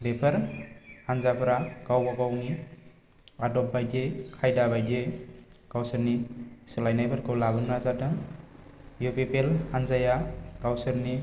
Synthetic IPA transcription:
lepʰəɾhanzapʰɾaɡ̥awbaɡawni | adɔp̚bajdekʰajdabajde | ɡ̥awsɯɾnisɯlajnajbəɾkɯwlabɯnazatɯn | jupepelhanzajaɡ̥awsɯɾni

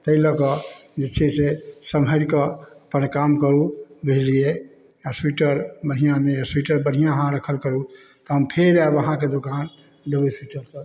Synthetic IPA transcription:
t̪əiləkɔd͡ʒet͡ʃʰisesəmɦəɾkəəpənkamkəɾubʱelie | aswiʈəɾbəɽ̤̃ijãmejaswiʈəɾbəɽ̤ijãəɦãɾəkʰəlkəɾu | t̪ɔɦəmpʰeɾabəɦãked̪okan | d̪ebəswiʈəɾt̪ə

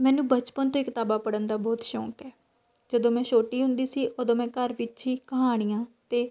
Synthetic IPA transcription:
mɛ̃ːnũːbət͡ʃpənt̪õːɪkt̪aːbaːpəɽənd̪aːbɔːt̪ʃɔ̰ːkɛː | d͡ʒəd̪õːmɛ̃ːʃoːʈiːɦʊ̃nd̪iːsiːʔod̪õːmɛ̃ːkəɾʋɪtːt͡ʃiːkəɦaːɽ̃ijãːt̪eː

